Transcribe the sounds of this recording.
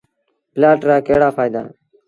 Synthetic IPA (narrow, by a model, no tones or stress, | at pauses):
plaːʈɾaːkeːɽaːfaːɪd̪a̰ː